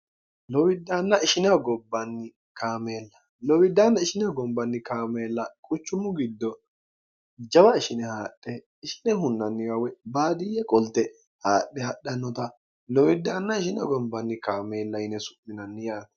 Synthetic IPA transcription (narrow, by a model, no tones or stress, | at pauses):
lɔwɪd̪ːaːnːɐɪʃɪnɛɡɔbːɐnːɪ | kaːmeːlːɐ | lɔwɪd̪ːaːnːɐɪʃɪnɛɐɡɔbːɐnːɪkaːmeːlːɐkʼʊt͡ʃːʊmʊɡɪd̪ːɔ | d͡ʒɐbɐɪʃɪnɛhaːɗːɛː | ʃɪ̥nɛɦʊnːɐnːɪjawɛbaːd̪ɪjɛkʼɔlt̪ɛ | haːɗːɛhɐɗːɐnːɔt̪ɐ | lɔwɪd̪ːaːnːɐɪʃɪnɐ̰ɡɔbːɐnːɪkaːmeːlːɐjɪnɛsʊ̥ʔːɪnɐnːɪjaːtɐ